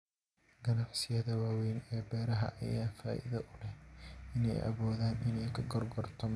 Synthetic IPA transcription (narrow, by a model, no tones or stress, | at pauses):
ɡ̥ɐnɑħsɪjɐðɐwaːwɛjnɛːbɛːɾɐɦɐ̰ʔɐ̰jaːnfa̰ːʔɪ̰ðɐʔʊlɛɪnɛ̰jʔɐ̰βɔːðaːnʔɪnɛjkʰɐɡɔrɡɔrt̪ʰɔm